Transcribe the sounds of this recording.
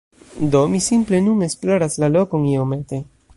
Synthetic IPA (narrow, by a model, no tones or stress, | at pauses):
d̪o̞misimple̞nune̞ksploɾaslalo̞ko̞niome̞t̪e̞